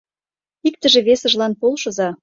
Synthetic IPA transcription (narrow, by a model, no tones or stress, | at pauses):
ik̚t̪ə̆ʒĕβesə̆ʒlɑnpolʃɤ̆zɑ